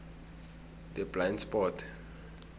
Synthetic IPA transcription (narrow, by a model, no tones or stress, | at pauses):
dɛblantspɔtʰ